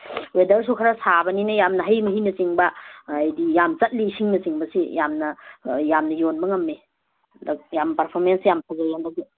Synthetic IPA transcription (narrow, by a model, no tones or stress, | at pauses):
wedɐɾs̬ukʰaɾasabɐninɐjamnɐɦajmɐɦinɐsiŋbaːjdijamt͡ʃɐt̚liːsiŋnɐsiŋbɐsijamnɐjamnɐjonbɐŋɐmːe | ljampɐɾpʰoɾmensjamtʰazajandaɡi